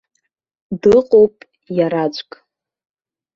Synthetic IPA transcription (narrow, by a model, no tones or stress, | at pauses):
dɨqʼowpʼ | jaɾat͡ʃʷʼkʼ